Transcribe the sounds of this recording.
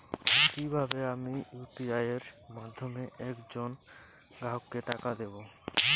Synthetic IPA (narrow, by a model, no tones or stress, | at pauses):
kibʱabeamijupiajeɾmad̪ʱːomeɛkd͡ʑon | ɡaɦokːeʈakad̪ebo